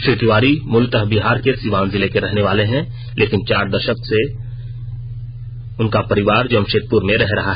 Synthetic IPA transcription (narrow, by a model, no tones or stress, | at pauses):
ʃʊt̪ɾʊʋaːɾimʊlt̪əɦbiɦaːɾkesiːʋãːnzɪlekeɾɛɦneʋaːleɦɛ̃ | lʔeːkɪnt͡ʃaːɾd̪ɐʃəkse | ʊnkapɐɾɪʋaːɾd͡ʒomʃeːt̪̚pʊɾmẽɾɛɦɾɐɦaɦ